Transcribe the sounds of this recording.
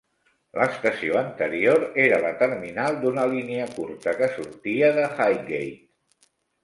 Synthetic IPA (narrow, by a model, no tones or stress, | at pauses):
ləst̪əsioənt̪əɾioɾeɾələt̪əɾminalˠd̪unəliniəkuɾt̪əkəsuɾt̪iəðəxajɡejt̪